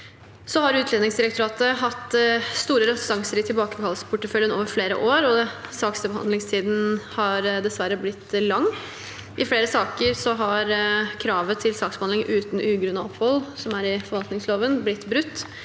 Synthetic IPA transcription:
sɔhɑɾʉːt̪ʰlɛːnɪŋsd̪ɪɾəkt̪ʊɾɑːt̪əɦɑt̪ːst̪uːɾəɾəɑŋsəɾɪt̪ʰɪlbɑːkəkʰɑlsə̥pʰʊʈːəfœljənoːʋəɾfleːɾə̰ʔoːɾɔsɑːksəbəhɑ̰nd̪lɪŋst̪ʰiːd̪n̩hɑɾd̪ɛsʋæɾːəblɪt̪ːlɑŋː | ʔɪfleːɾəsɑːkəɾsɔɦɑɾkʰɾɑːʋət̪ʰɪlsɑːksbəhɑnɪŋʔʉːt̪n̩ʔʉːɡɾʉnɑɔphɔlsɔmæɾɪfɔɾʋɑlt̪nɪŋsloːʋənblɪt̪ːbɾʉt̪ː

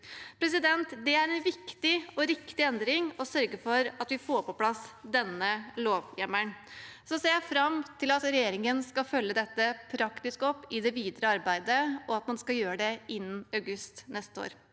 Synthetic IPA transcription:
pʰɾɛs̬ɪd̪ɛnt̪d̪ɛæɾɛnʋɪkt̪ɪɔɾɪkt̪ɪɛnd̪ɾɪŋɔsœɾɡəfɔɾɑt̪ʋɪfoːɾpʰɔpʰlɑsd̪ɛnːəloːʋjɛməɳsɔseːjæɪfɾɑmt̪ʰɪlɑt̪ɾɛjeːɾɪŋənskɑfœlːəd̪ɛt̪ːəpʰɾɑkt̪ɪskɔpːɪd̪ɛʋiːd̪ɾəɑɾbæɪd̪əɔɑt̪mɑnskɑjøːɾəɖ̪ɛɪnːɑʉɡʉst̪nɛst̪əo̰ːɾ

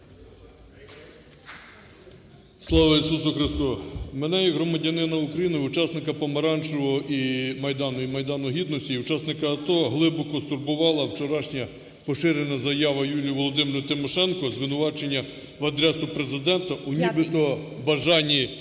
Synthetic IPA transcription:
slˠɑʋɐisusʊxɾɪst̪ɔmenɛjɐɦɾɔmɐdʲɐnɪnɐʊkɾɐjinɪʊt͡ʃɑsnɪkɐpɔmɐɾɑnt͡ʃɔɦɔʔimɐjd̪ɑnʊimɐjd̪ɑnʊɦʲid̪nɔsʲtʲiut͡ʃɑsnɪkɐːt̪ɔɦlˠɪbɔkɔst̪ʊrbʊʋɑlˠɐwt͡ʃɔɾɑʃnʲɐ | pɔʃɪɾenɐzɐjɑʋɐjulʲijʊʋɔlˠɔd̪ɪmɾʊt̪ɪmɔʃɛnkɔzʋɪnʊʋɑt͡ʃe̞nʲːɐ | ʋɐd̪ɾɛsʊpɾe̞zɪd̪ɛnt̪ɐʔunʲibɪt̪ɔ | bɐʒɑnʲi

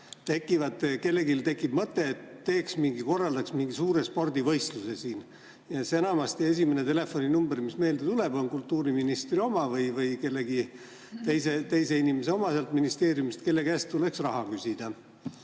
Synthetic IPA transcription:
t̪e̞kːˑivɑd̪ke̞lːe̞kilt̪e̞kːˑib̥mɤt̪ˑːe̞ːt̪ːe̞ːksmiŋɡiko̞rːɑld̪ɑksmiŋɡ̥isuːɾe̞spo̞rd̪̥ivɤjst̪luse̞siːn | jɑsenɑmɑst̪ie̞s̬ʲimenet̪e̞le̞fo̞nʲinumbermisme̞ːld̪et̪ule̞bo̞nkult̪ːuːɾiminist̪rio̞mɑvɤjvɤjke̞lːeɡi | t̪ejse̞t̪e̞jse̞inimese̞o̞mɑselt̪minist̪e̞ːɾjumist̪ke̞lːe̞ɡæst̪t̪ule̞ksrɑɦɑkysʲid̪̥ɑ

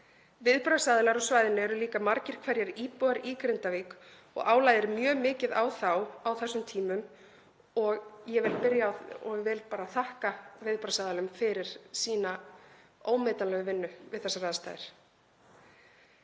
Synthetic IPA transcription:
vɪðpɾasaːðɪlaɾɔsvaːjðɪnɪɛɾʏliːkamaɾcɪɾ̥kʰvɛɾjɛɾiːpɔaɾiːkɾɪnt̪aviːk | ɔ̰ɣʔaːwlajðɪɾmjœːmɪːcɪðawθawawθɛsːʏmt̪ʰiːmʏm | ɔɣjɛvɪlpɪɾjaɔɣvɛlpaːɾaθahkavɪðpɾasaːðalʏmfɪɾɪɾ̥siːna | oːwmeːt̪anlɛːɣʏvɪnːʏvɪ̰ðθɛsːaraːðst̪a̰jðɪ̰ɾ̥

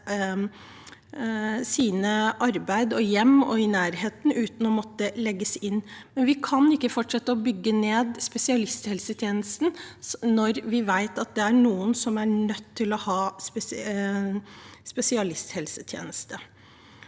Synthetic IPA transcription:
siːnəʔɑɾbæɪd̪ɔjɛmːɔ̰ɪnæːɾheːt̪nʉːt̪n̩ɔmɔt̪ːəlɛɡːəsɪnːmɛnʋɪkʰɑnɪkːəfɔʈʂɛt̪ːəɔbʏɡːəneːd̪spɛsɪɑlɪst̪hɛlsət̪ʰjeːnəst̪n̩nɔɾʋɪʋæɪt̪ɑt̪̚d̪ɛæɳuːənsɔmæɳœt̪ʰːɪlɔhɑːspɛ | spɛsɪɑlɪst̪hɛlsə̥t̪ʰjḛːnəst̪ə

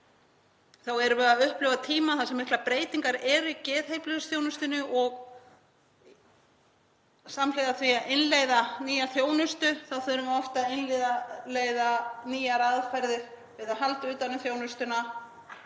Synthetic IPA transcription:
θawɛɾʏvɛːɣaʏhplʏwvat̪ʰiːmaθasɛmːɪhklapɾeːjt̪iŋkaɾɛːɾʏicɛːðhejplʏɣʏsθjownʏst̪ɪnʏʔɔɣ | samlejðaθviaʔɪnleːjðaniːjaθjoːwnʏst̪ʏθaðθœɾʏmaɔft̪aɪnlejðaleːjðaniːjaɾaðfajɾðɪɾ̥ | vɪðaɦalt̪ʏːt̪anʏmθjoːwnʏst̪ʏna

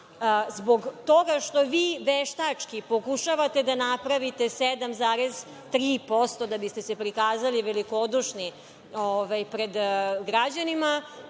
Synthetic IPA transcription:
zboɡt̪o̞ɡaʃt̪o̞ʋiːʋeʃt̪at͡ʂkipo̞kuʃaʋat̪e̞d̪anapɾaʋit̪e̞sed̪amzaːɾez | t̪ɾiːpo̞st̪o̞d̪abist̪e̞se̞pɾikaːzaliʋeliko̞d̪uʃni | oʋajpɾed̪ɡɾad͡ʑanima

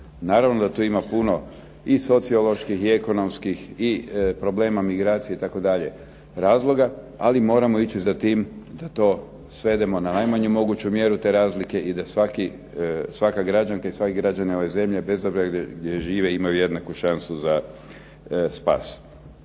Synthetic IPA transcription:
naːɾaʋnod̪at̪uːimapuno̞ | iso̞t̪sio̞lˠo̞ʃkixieko̞no̞mskixipɾo̞ble̞ːmamiɡɾaːt̪sijeit̪ako̞d̪aʎe̞ | ɾaːzlˠo̞ɡa | a̰limo̞ːɾamo̞it͡ɕizat̪iːmd̪at̪o̞ː | sʋe̞d̪e̞mo̞nanajmaɲumo̞ɡut͡ɕumje̞ɾut̪e̞ːɾaːzlike̞id̪asʋaki | sʋakaɡɾad͡ʒaŋkaisʋakiɡɾad͡ʒanio̞ʋe̞ze̞mʎe̞be̞zobziaɡd̪je̞ʒiːʋe̞imajuje̞d̪nakuʃansuza | spa̰ːs

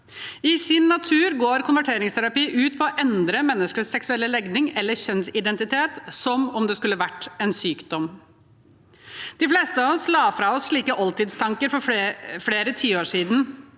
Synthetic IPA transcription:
ɪsɪnːɑt̪ʰʉːɾɡoːɾkʰʊnʋæʈʰeːɾɪŋst̪ʰæɾɑpiːʔʉːt̪̚pʰɔɔʔɛnd̪ɾəmɛnːəskəssɛksʉɛlːəlɛɡnɪŋɛlːəçɛnsɪd̪ɛnt̪ɪt̪ʰeːt̪sɔmɔmd̪ɛskʉlːəʋæʈːɛːnsyːkd̪ɔm | d̪̥ɪfleːst̪əɑɔslɑːfɾɑːɔsʂɭiːkəʔɔlt̪ɪd̪st̪ʰɑŋkəɾfɔfɽeːɾət̪ʰiːoːʂiːd̪n̩

